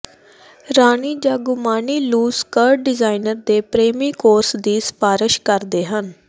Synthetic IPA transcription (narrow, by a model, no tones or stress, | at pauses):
ɾaːniːd͡ʒaːɡumaːniːluːskəɾɖɖɪzaːinəɾd̪eːpɾeːmiːkoːɾsd̪iːspaːɾəʃkəɾd̪eːɦən